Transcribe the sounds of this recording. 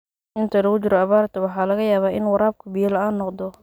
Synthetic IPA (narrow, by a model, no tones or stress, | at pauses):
ʔɪnt̪ʰɐlɐɣʊt͡ʃɪɾɔɐβaːɾt̪ʰɐwɑħɑːlɐɣɐjaːβaːʔɪnwɑɾaːb̚kʰʊbijɐlɐaːnːɔqd̪ɔ